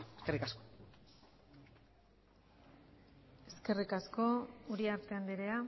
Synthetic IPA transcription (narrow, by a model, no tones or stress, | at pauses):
eskerikasko | e̞ske̞rikasko̞uɾiaɾt̪e̞and̪iɾea